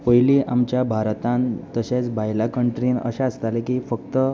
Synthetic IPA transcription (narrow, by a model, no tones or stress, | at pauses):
pəjliːʔamt͡ɕjabʱaɾt̪ãnt̪əɕẽt͡sbʱajlakəɳʈɾiːnə̰ɕaəst̪alekiːfək̚t̪ə